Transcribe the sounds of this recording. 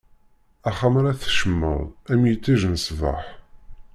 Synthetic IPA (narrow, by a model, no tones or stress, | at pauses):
æχamɾaθʃəmːə̰ðˤæmjət͡sːiʒnəsva̰ħ